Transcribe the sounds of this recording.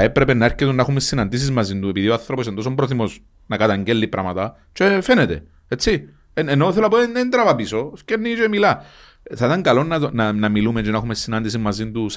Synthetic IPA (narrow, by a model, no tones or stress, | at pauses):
ɐepɾe̞penːɐeɾcet̪unːexumesːinɐnd̪is̬izmɐzint̪ue̞piðioaθɾopos̬end̪os̬ompɾoθimo̞s | nɐkɐt̪aɲɟelːipɾʔɐ̰mɐt̪ɐ | t͡ʃefenet̪e̞̰ | et͡sːi | enenoθelɐpoenent̪ɾɐvɐpiso̞scenːit͡ʃoemilɐ | θɐit̪ɐŋkɐlo̞nːɐnɐnɐmilument͡ʃinɐxumesːinɐnd̪is̬imɐzint̪us